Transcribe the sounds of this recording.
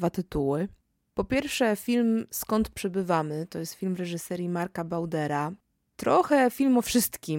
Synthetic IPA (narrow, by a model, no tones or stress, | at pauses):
vat̪ɘt̪uwɘ | pɔpʲjɛɾfʂɛfʲilmskɔnt̪pʂɛbɘvamɘt̪ɔjɛst̪filmɾɛʐɘsɛɾʲjimaɾkabawd̪ɛɾa | t̪ɾɔxɛfʲilmɔfʂɘst̪kʲi